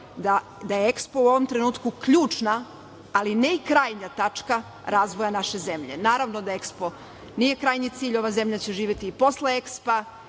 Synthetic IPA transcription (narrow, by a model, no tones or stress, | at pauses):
d̪a | d̪ajeekspo̞uo̞ʋomt̪ɾenuːt̪kukʎuːt͡ʂnaː | lineikɾaːjɲat̪at͡ʂka | ɾʔaːzʋo̞janaʃe̞ze̞mʎe̞̰naːɾaʋnod̪ae̞kspo̞ | nije̞kɾaːjɲit̪siːʎo̞ʋaze̞mʎat͡ɕeʒiːʋjet̪iːpo̞sleekspa